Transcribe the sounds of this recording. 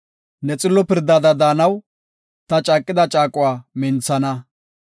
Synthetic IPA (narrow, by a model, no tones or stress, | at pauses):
nɛt͡sʼɪlːɔpɪɾd̪ad̪ɐd̪aːnɐw | t̪ɐt͡ʃʼaːkʼːɪd̪ɐt͡ʃʼaːkʼʊwaːmɪnt͡sːɐnɐ